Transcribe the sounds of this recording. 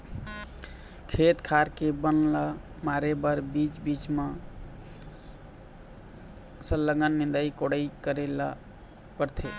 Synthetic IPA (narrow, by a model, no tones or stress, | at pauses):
kʰet̪kʰaɾkebənla | maɾebəɾbit͡ʃbit͡ʃme | səlːəɡənːind̪əjkoɽəjkəɾela̰ | pəɾt̪ʰe